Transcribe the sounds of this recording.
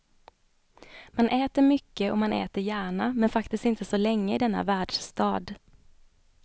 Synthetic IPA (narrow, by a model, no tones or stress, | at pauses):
manʔɛːt̪əɾmʏkːəɔmanʔɛ̰ːt̪əɾjæːɳamɛnfakt̪ɪst̪ɪnt̪əsɔlɛŋːəɪd̪ɛnːa̰væːɖʂst̪ɑːd̪